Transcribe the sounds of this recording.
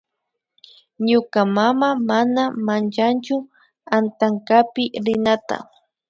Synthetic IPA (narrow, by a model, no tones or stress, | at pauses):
ɲʊkamamamanamant͡ʃant͡ʃʊ | ant̪aŋkapɪɾɪnat̪a̰